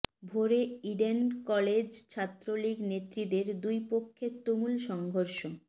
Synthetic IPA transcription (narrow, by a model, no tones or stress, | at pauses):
bʱoɾeiɖenkɔled͡ʑt͡ɕʰat̪ːɾoliɡnet̪ːɾid̪eɾd̪ujpokʰːet̪umulʃɔŋɡʱoɾʃo